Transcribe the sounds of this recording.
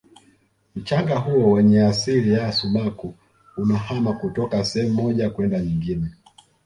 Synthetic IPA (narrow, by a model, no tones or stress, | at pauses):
m̩t͡ʃaŋɡaɦuɔwɛɲɛasilijaːsuɓaku | unahamakutɔkasɛhɛm̩mːɔʄakwɛndaɲiŋɡinɛ